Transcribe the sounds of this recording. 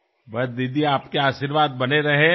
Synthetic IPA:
bɐd̪id̪iaːpkeaːʃiɾʋaːd̪̚bɐneɾɐɦẽ

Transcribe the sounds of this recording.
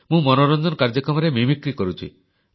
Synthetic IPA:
mũmɔnoɾɔnd̪ʱɔnkaɾd͡ʒɔkɾɔmɔɾemimikɾikɔɾut͡ʃʰḭ

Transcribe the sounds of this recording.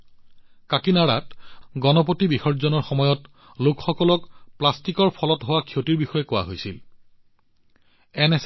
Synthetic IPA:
kakinaɹatɡɔnɔpotibixɔɹzɔnɔɹxɔmɔjɔt | lokxɔkɔlɔkplastikɔɹpʰɔlɔtɦowakʰiotiɹbixɔjɛkowa̰ɦojsil | ɛnɛs

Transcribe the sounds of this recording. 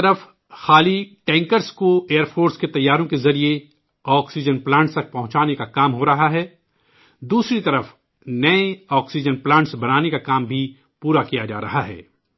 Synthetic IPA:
ɐɾəf | xaːliʈɛ̃ːŋkəɾskoeːəɾpʰoːɾsket̪ɐjːaːɾõkezɐɾie | ɔːksid͡ʒənplãːɳʈst̪ɐk̚pɐɦʊ̃t͡ʃaːnekakaːmɦoɾɐɦaɦɛː | d̪uːsɾit̪ɐɾəf | nɐẽɔːksid͡ʒənplãːɳʈsbɐnaːnekakaːmbʱi | puːɾakijad͡ʒa̰ːɾɐ̰ɦaɦɛ̰ː

